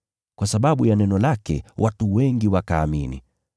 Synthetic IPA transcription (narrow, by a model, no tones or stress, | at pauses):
kwasaɓaɓujanɛnɔlakɛwʔatuwɛŋɡiwakaːminḭ